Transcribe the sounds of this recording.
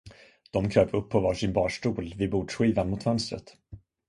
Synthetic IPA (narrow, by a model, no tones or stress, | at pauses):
d̪̥ɔmkʰɾøːvɵpʰːɔvɑːʂɪnbɑːʂʈuːlvɪbuːɖʂɧiːvanmʊt̪fœnst̪ɾə̰t̪